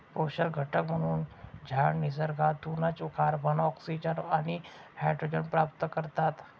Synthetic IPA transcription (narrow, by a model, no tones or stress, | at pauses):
poɕəɾɡʱəʈəkm̤əɽ̃uːnd͡ʑʱaɳnizəɾɡʱat̪ːunat͡ʃukʰaɾbʱənɔksid͡ʒənanihɛɖɾod͡ʑənpɾap̚t̪əkəɾt̪at̪